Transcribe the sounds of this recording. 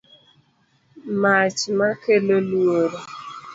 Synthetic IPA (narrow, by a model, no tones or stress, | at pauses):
mat͡ʃmakelolwoɾo